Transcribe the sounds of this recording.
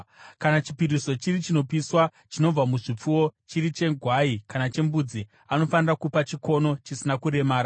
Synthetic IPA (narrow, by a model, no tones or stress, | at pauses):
kanat͡ʃipiɾiso̞t͡ʃirit͡ʃino̞piswa | t͡ʃino̞b͡vamuʐip͡fuwo̞t͡ʃiɾit͡ʃe̞ɡʱwaikanat͡ʃe̞mbud͡zi | ano̞fanirakupat͡ʃiko̞no̞t͡ʃisinakuɾe̞maːɾa